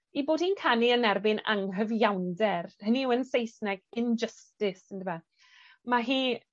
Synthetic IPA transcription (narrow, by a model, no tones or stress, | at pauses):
iboːd̥hiːnkʰaniənɛrbɪna̰ŋɦəvjawndɛrhəniwənsejsnɛɡɪnd͡ʒəstɪsəndəma | maɦiː